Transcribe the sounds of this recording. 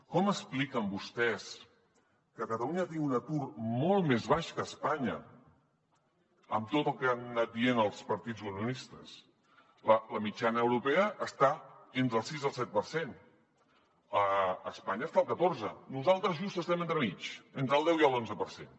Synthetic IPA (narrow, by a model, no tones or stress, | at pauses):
kɔməsplikəmbust̪ɛs | kəkət̪əluɲət̪iŋɡunət̪urmɔlˠtmezβ̞aʃkəːspaɲə̰ | ə̰mt̪ot̪əlˠkeanːat̪̚d̪ienəlˠspəɾt̪id͡zununist̪əs | lələmit͡ʃanəːwɾupɛəʔːst̪aent̪ɾəlˠsizəlˠsɛt̪̚pəɾsen | əəspaɲəst̪aəlˠkət̪oɾzənuzalˠt̪ɾəzʒust̪əst̪ɛment̪ɾəmit͡ʃent̪ɾəlˠd̪ɛwiəlˠonzəpəɾsen